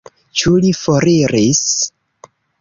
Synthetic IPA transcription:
t͡ʃulifoɾiɾis

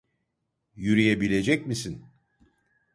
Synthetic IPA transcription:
jyɾijebilʲe̞d͡ʒɛcmisin

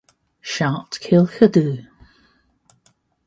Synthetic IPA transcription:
ʃɑˑtkʰɪlˠxədʉ

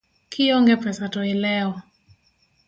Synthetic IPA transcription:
kʰiɔŋɡɛpɛsatɔɛlɛɔ

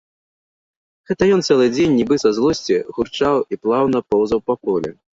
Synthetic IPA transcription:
ɣɛt̪ɐjɔnt̪sɛlˠɨd͡zʲenʲːibɨsɐzlˠɔsʲt͡sʲiɣurt͡ʂawiplˠawnɐpɔwzɐwpakɔlʲɛ̰

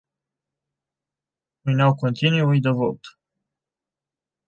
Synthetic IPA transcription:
ujnawkont̪inuujd̪evo̰t̪

